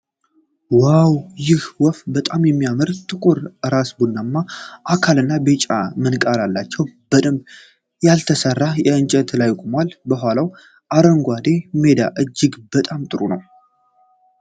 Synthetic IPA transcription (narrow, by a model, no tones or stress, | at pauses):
wawjɪhwɔfbət̪ʼamjɛmːijamɨɾt̪ʰʼɨkʼoɾɨɾasbunːamːaʔakʰalɨnːabet͡ʃʼa̰mɨnkʼalalːat͡ʃːɛwb̥əd̪ɨm | jalt̪ʰəsərːajɛɨnt͡ʃʼɛt̪lajkʼomalbəɦʷalaw | ʔaɾəŋɡʷad̪e̞me̞d̪a̰ʔɨd͡ʒːɪɡbət̪ʼamt̪ʼɨɾunəw